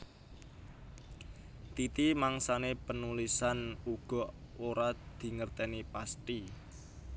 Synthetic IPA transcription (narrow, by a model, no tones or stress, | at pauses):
t̪it̪imaŋsanepənulisanuɡ̥ɔ̤ | oɾad̪̥i̤ŋərt̪ɛnipast̪i